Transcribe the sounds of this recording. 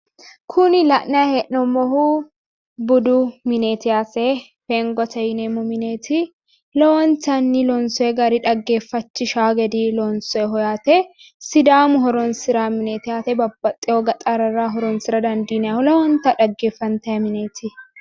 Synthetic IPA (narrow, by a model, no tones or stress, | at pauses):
kʰʊnɪlɐʔnɐjɐhɛʔnɔmɔhu | bʊd̪ʊmɪneːt̪ɪjaːse | feːŋɡɔt̪ɐjneːmʊmɪne̞ːt̪ʰɪ | lɐwɔnt̪ɐnːɪlɔnsɔɛɡɐɾɪᶑɐɡːe̞ːfːɐt͡ʃːɪʃaːɡɛd̪ɪlɔnsɔɛɦɔjaːt̪ɛ | sɪd̪aːmʊɦɔɾɔnsɪɾaːmɪneːt̪ɪjaːt̪ɛbɐbːɐt̪ʼːɪɔɡɐt̪ʼaɾɐɾaɦɔɾɔnsɪɾɐd̪ɐnd̪iːnɛjaːhʊlɐwɔnt̪ɐᶑɐɡːe̞ːfːɐnt̪ɐjɐmɪne̞ːt̪ʰɪ